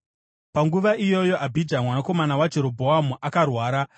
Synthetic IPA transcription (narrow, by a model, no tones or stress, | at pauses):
paŋɡuʋaijo̞jo̞ʔabʱidʱamwanako̞manawad͡ʒe̞ɾo̞bʱoɦamuʔakarwaːɾa